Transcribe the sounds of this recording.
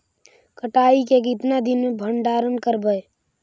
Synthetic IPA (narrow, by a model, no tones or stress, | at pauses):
kəʈaːikekɪt̪nad̪ɪnmẽbʱəɳɖaːɾənkəɾbəe